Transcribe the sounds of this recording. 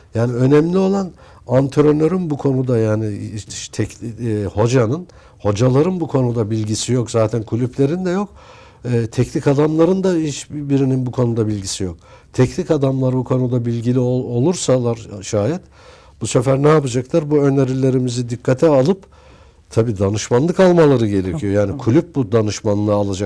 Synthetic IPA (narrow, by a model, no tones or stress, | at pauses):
jaːniø̞nɛmlʲio̞lˠan | ant̪ʰeɾo̞nø̞ɾynbukʰo̞nud̪ajaːniʃt̪ʰɛcːho̞d͡ʒanɯn | ho̞d͡ʒalˠaɾɯnbukʰo̞nud̪abilʲɟisijo̞kzaːt̪ʰænkʰulʲyplʲe̞ɾind̪ɛjo̞kː | t̪ʰɛcnikad̪amlˠaɾɯnd̪ait͡ʃbiɾininbukʰo̞nud̪abilʲɟisijok̚ | t̪ʰɛcnʲikad̪amlˠaɾbukʰo̞nud̪abilʲɟilʲioo̞lˠuɾsalˠaɾʃaːjɛt̪ | b̥usefæɾnɛapad͡ʒaklˠaɾbuø̞nʲeɾilʲe̞ɾimizid̪ikʰːat̪ʰɛalˠɯp | t̪ʰabiːd̪anɯʃmanlˠɯkalˠmalˠaɾɯɟe̞ɾe̞cʰijo̞jaːnikʰulʲyp̚bud̪anɯʃmanlˠɯalˠad͡ʒak̚